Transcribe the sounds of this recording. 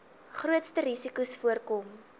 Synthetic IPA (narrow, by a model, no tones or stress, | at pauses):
χruətstəɾisikusfuərkɔm